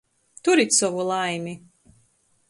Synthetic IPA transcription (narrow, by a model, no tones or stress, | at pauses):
t̪uɾit̪ʲsɔvulˠajmʲi